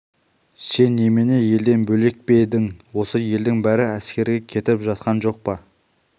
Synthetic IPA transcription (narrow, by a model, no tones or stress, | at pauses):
se̞nːe̞meneje̞ld̪e̞nbɵle̞k̚ped̪ɪŋwo̞səje̞ld̪ɪŋbæɾɪæskʲe̞ɾɡʲe̞kʲʰe̞t̪ɪpʒɑt̪qʰɑnʒo̞q̚pɑ